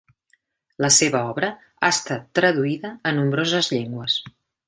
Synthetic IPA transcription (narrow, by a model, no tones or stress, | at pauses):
ləseβəɔβɾə | aəst̪at̪ːɾəðuiðəːnumbɾozəzʎeŋɡwəs